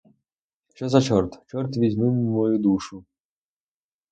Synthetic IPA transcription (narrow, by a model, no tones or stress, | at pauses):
ʃt͡ʃɔzɐt͡ʃɔrt̪t͡ʃɔrt̪ʋʲizʲnummɔjud̪uʃʊ